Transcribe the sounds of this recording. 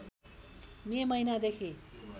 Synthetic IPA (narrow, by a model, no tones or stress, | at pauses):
memʌjnad̪ekʰi